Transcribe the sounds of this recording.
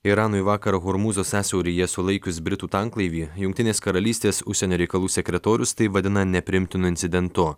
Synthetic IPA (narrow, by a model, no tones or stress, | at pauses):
ɪɾɑːnʊɪʋɑːkɐɾɐɣʊɾmuːzoːsʲæːsʲɛʊɾʲijɛsʊlˠɐɪkʲʊsbʲɾʲɪt̪uːt̪ɑŋklˠɐɪʋʲiːjʊŋkʲt̪ʲɪnʲeːskɐɾɐlʲiːsʲt̪ʲeːsʊʃʲsʲɛnʲoːɾʲɛɪkɐlˠuːsʲɛkʲɾʲɛt̪oːɾʲʊst̪ɐɪʋɐd̪ʲɪnɐnʲɛpʲɾʲɪɪmʲt̪ʲɪnʊɪnʲt̪sʲɪd̪ʲɛnt̪ʊ